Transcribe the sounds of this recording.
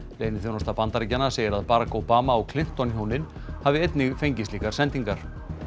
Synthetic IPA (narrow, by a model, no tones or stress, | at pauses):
lejnɪθownɔst̪apant̪aɾicanaseːjɪɾaðpaːɾakowpaːmaɔɣkʰlɪm̥t̪ɔnçoːwnɪn | havɪejt̪nɪɣfejɲcɪst̪liːkaɾ̥sɛnt̪iŋkaɾ̥